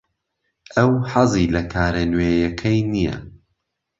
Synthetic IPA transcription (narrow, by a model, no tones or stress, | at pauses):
ʔɐwħɑzˤiːlɐkʰaːɾɐnweːjɐkʰɐjnijɐ̰